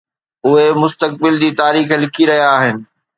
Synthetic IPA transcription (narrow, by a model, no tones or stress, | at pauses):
ʊɦemʊst̪ək̚bɪld͡ʑiːt̪aːɾiːxlɪkʰiɾɐɦijaːɦɪnɪ̆